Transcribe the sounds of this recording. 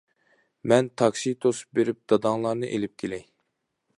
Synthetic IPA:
mɛnt̪ʰɑkʃit̪ʰosu̥p̚beɾɪp̚d̪̥ɑd̪ɑŋlˠɑɾnɨʔelɪp̚kʲʰelɛj

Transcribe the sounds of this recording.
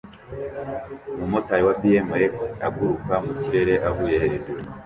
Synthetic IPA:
mumotajiwabiemeaɡuɾukamuciɾe̞ɾeʔaβujeɾe

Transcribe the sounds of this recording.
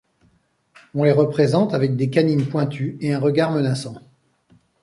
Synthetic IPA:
ɔ̃leʁəpχezɑ̃t̪avɛk̚d̪ekaninpwɛ̃t̪ʰyeɛ̃ʁəɡaʁmənasɑ̃

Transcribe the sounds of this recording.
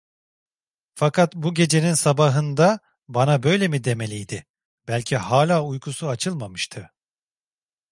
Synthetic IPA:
fakʰat̪buɟe̞d͡ʒe̞ninsabaɦɯnd̪a | banabø̞jlʲe̞mid̪e̞me̞lʲijd̪ɪ | b̥ælʲcʰihaːlʲaːujkʰusuat͡ʃʰɯlˠmamɯʃt̪ʰɯ

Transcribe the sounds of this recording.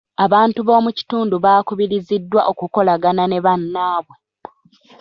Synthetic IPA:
aβaːntuβo̞ːmuci̥tuːnduβaːkuβiɾizidːwa̰ʔokuko̞laɡanane̞βanːaːβwe̞

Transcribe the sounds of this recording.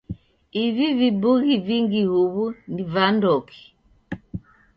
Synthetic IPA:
ivivibuɣiviŋɡihuβunivandɔki̥

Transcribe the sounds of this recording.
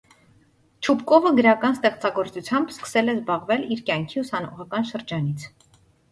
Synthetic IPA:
t͡ʃʰupkɔvəɡəɾɑkɑnst̪ɛχt͡sɑɡɔɾt͡sut͡sʰjɑmbskə̥sɛlɛzbɑʁvɛliɾkjɑŋkʰiusɑnɔ̰ʁɑkɑnʃəɾd͡ʒɑnit͡sʰ

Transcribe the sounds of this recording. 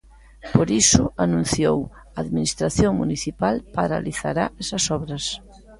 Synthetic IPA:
poɾisʊanũn̟θjow | aːðminist̪ɾaθjoŋmṵniθipalpaɾa̰liθa̰ɾa̰ɛsɐsɔβɾɐs

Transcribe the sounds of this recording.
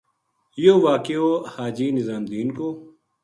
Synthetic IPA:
joːʋaːkeoːhaːd͡ʒiːnizaːmd̪iːnkoː

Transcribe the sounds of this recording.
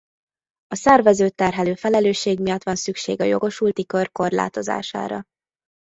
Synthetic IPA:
ɒsɛrvɛzøːt̪ːɛrɦɛløːfɛlɛløːʃːeːɡmijɒt̪ʋɒnsykʃḛːɡɒjo̞ɡo̞ʃult̪ikø̞rko̞rla̰ːt̪o̞za̰ːʃa̰ːɾɒ̰

